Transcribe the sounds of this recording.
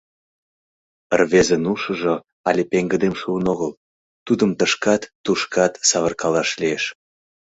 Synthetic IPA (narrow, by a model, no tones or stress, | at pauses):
ərβezenuʃə̆ʒo | ɑlʲepeŋɡəd̪emʃuənoɣəl | t̪ud̪əmt̪əʃkɑt̪ːuʃkɑt̪sɑβərkɑlɑʃlieʃ